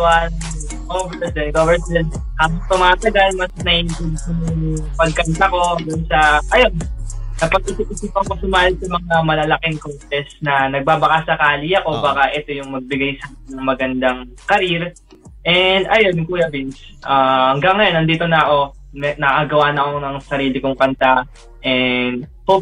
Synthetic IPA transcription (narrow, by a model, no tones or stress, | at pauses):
wɐn | ɡovɛd̪ɛnɡovɛɛn | haːmɐst̪ʊmaːt̪ɐɡalmɐsnɐʔɪnt̪ɪnsɪnojʊŋpɐɡ̚kɐnt̪ɐko̞d̪ʊnsɐʔɐjo̞nkɐpɐɡ̚ɪsɪpʔɪsʊpɐpɐsʊmaːhɪsɐmɐŋamɐlɐlɐkɪŋkotɛsnɐnɐɡ̚babɐkasɐkaːlijɐko̞baːkɐʔɛt̪o̞jʊŋmɐɡ̚bɪɡajsaɪnːɐŋmɐɡɐnd̪aŋ | kɐɾiɾ | ʔɛnd̪ɐjo̞nŋkuːjɐbins | ʔaɐŋɡɐŋːɐjo̞nɐnd̪iːt̪o̞nɐʔo̞ | mnɐʔaɡɐwanɐko̞nɐŋsɐɾiːlɪkoŋkɐnt̪a | ʔɛnd̪̚hop̚